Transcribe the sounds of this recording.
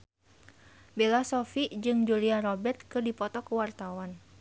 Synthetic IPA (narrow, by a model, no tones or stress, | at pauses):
belasɔfid͡ʒɨŋd͡ʒuliaɾɔbɛrt̪̚kɨrdipɔt̪ɔkəwart̪awan